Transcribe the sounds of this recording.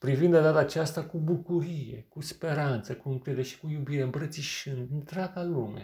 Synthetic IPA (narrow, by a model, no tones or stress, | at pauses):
pɾivind̪ad̪at̪aːt͡ʃast̪akubukuɾije̞̰kuspe̞ɾant̪səkuɨŋkɾed̪eeʃi̥kujubiɾe̞ɨmpɾət̪siʃɨnd̪nt̪ɾaɡaluma̰